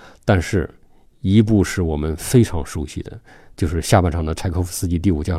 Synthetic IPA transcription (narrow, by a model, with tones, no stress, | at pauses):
t̪a˥˧nʂɻ̩˥˩ | i˧˥p̬u˥˧ʂɻ̩˥˩wɔ˨˩mə˦nfe˥ɪʈ͡ʂʰɑ̰˧˥ŋʂu˧˥ɕḭ˥˧˩d̪ə̰˦ | t͡ɕjo˥˧ʊʂɻ̩˥˧ɕja˥˧pa˥˩nʈ͡ʂʰɑ˨˩ŋd̪ə˦ʈ͡ʂʰa˥ɪkʰo˥ʊfsɹ̩˥t͡ɕi˧t̪̬i˥˩u˨˩t͡ɕja˥